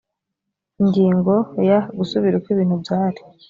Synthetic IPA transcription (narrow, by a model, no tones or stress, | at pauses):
iŋɡiːŋɡo̞jaɡusuβiɾukwiβiːn̥hubjaːɾi̥